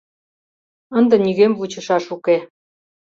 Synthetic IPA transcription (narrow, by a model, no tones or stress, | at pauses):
ənd̪ĕniɣemvut͡ɕə̆ʃɑʃuke